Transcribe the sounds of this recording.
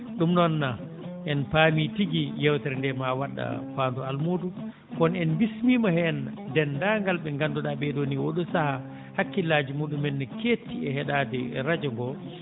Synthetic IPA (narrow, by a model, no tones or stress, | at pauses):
ɗumnɔnːa | ʔɛnpamitiɡijɛwtɛɾndɛmawaɗːa̰faːndualmoːdu | kɔnɛnbismiːmahɛndɛndaŋɡalɓɛŋɡanduɗaɓɛdoːniwoɗusaha | hakːilaːd͡ʒimuɗumɛnːɛkʰeːtːiɛhɛɗaːdɛɛ̰ɾad͡ʒɔŋɡɔ